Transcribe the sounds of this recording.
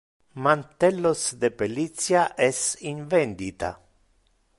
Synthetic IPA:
mant̪ɛlːosd̪epelit̪sjaʔɛsiɱvɛnd̪it̪a̰

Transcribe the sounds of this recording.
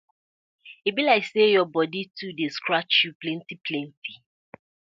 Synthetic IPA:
ibilaɪksejɔbɔditudeskɾat͡ʃjuplɛ̃ntiplɛ̃ntʰi

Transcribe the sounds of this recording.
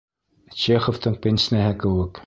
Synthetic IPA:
t͡ɕeχoft̪ɤɴpʲenʲsnæɦɘkɘ̆wɘk

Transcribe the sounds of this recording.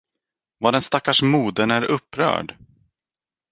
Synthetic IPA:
vaːd̪ɛnst̪akːaʂmuːd̪ənæɾɵpːɾœ̰ːɖ

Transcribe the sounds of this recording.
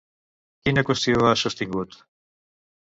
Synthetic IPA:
kinekost̪iaʃost̪iŋɡut̪

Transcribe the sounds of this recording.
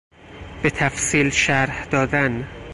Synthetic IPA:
b̥e̞t̪ʰæfsiːlʃæɾhd̪ɒːd̪æn

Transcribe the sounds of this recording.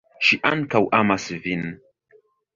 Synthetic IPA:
ʃiʔankawʔamasɨvin

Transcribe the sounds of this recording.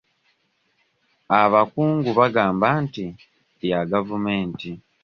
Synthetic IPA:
aβakuːŋɡuβaɡaːmbanti | jaɡavume̞ːnti

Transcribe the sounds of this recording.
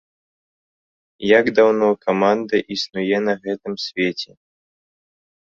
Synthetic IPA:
jaɡd̪awnɔkamand̪ɐʔisnujɛnɐɣɛt̪ɨmsʲvʲɛt͡sʲɛ

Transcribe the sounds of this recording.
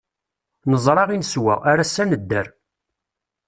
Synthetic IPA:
nəzˤɾˤɑʁinəswæ̰aɾasːænəd̪ːæɾ

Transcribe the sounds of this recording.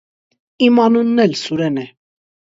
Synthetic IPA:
imɑnunːɛlsuɾɛnɛ

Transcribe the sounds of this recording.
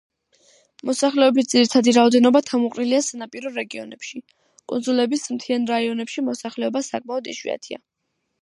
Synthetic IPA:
mɔsaχlɛɔbis̬d̪ziɾit̪ʰad̪iɾaɔd̪ɛnɔbat̪ʰamuqʼniliasanapʼiɾɔɾɛɡiɔ̰nɛpʃi | kʼunzulɛbismt̪ʰianɾaiɔnɛpʃimɔsaχlɛɔbasakʼmaɔd̪iʃwḭa̰t̪ʰia̰

